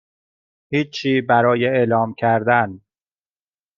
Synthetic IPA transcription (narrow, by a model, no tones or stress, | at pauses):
hiːt͡ʃʰːiːbæɾɒːjeeːlɒːmcʰæɾd̪æn